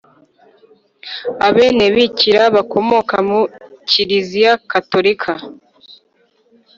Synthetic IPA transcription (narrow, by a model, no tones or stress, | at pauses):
aβe̞ːne̞βiciɾaβakʰo̞mo̞kamuciɾizijakato̞ɾikʰa